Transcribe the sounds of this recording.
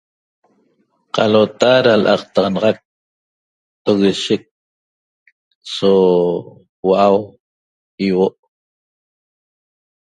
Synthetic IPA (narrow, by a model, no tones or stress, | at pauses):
qɑlot̪aɾalʔɑ̰qt̪ɑʁɑnɑʁɑk̚ | oɣeʃɪk̚ | so | waʔaw | iwoʔ